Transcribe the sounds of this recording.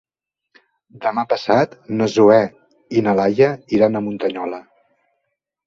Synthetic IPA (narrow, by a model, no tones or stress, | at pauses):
d̪əmapəsat̪nəzuɛ | inəlajəiɾanəmunt̪əɲɔlə